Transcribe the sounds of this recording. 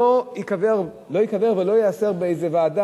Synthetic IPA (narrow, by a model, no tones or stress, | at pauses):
oikaveʁ | lo̞jikaveʁvelo̞jease̞ʁbeejzevaːda